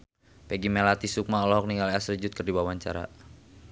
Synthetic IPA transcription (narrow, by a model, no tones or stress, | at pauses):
pɛɡimɛlat̪isuk̚maɔlɔɦɔk̚niŋɡalɛasrid͡ʒut̪̚kərdibawaɲt͡ʃa̰ɾa̰